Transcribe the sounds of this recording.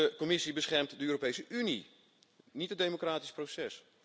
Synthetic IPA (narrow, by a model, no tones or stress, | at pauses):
əkɔmɪsibəsχɛrmtdəøːropejsəʔynḭ | nitədemokraːtisprosɛs